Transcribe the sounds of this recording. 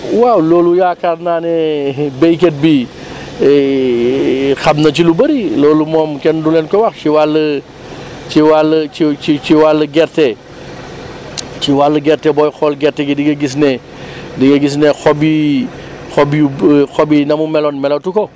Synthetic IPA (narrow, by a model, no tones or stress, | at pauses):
wawloːlujaːkaɾnaːnɛbejk̬et̚bi | xabnɐt͡ʃilubɐɾiloːlumɔːmkɛndulɛnkɔwɐxt͡ʃiwalːə | t͡ʃiwaləiit͡ʃiwalːəɡɛɾtɛ | t͡ʃiwalːəɡɛɾtɛbɔjxɔːlɡɛɾtɛɡidiɡɐɡis̬nɛ | diɡɐɡis̬nɛxobi | xobuxobinɐmumɛlonmɛlotukɔ